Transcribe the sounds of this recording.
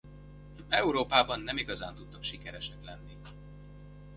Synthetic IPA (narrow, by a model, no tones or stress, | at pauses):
ɛuɾoːpaːbɒnːɛmiɡɒzaːnt̪ut̪ːɒkʃikɛɾɛʃɛklɛnːi